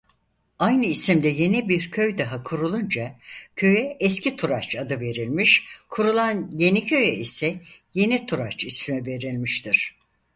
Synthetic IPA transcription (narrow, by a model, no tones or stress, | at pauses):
ajnɯisimd̪ɛje̞nibiɾcʰøjd̪aɦakʰuɾulˠund͡ʒacʰø̞jɛɛscʰit̪ʰuɾat͡ʃad̪ɯve̞ɾilʲmiʃkʰuɾulˠanje̞nicʰø̞jɛisɛje̞nit̪ʰuɾat͡ʃismɛve̞ɾilʲmiʃt̪ʰiɾ̥